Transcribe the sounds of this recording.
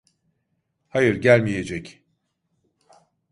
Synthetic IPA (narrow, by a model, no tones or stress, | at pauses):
hajɯɾɟælʲmije̞d͡ʒɛc